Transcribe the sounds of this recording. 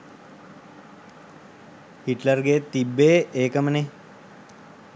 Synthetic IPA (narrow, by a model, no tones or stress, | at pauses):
hiʈlərɡet̪ibːeːʔeːkəməne